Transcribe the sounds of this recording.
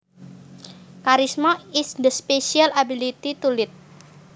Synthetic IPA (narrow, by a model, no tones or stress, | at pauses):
kaɾismɔɪsd̪əspesialabilit̪it̪ulɪt̪̚